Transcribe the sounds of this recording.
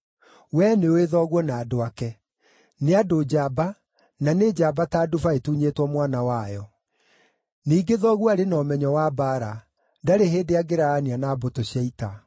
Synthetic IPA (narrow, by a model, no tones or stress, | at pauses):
wɛneoeðɔɣwɔnaːdoakɛ | neadod͡ʑaba | naned͡ʑaːbataːdufaetuɲetwɔmwanawajɔ | niːɡeðɔɣwaɾenɔmɛɲɔwabaɾa | daɾeɦeːndeaɡeɾaːnianaːbotoɕjɛita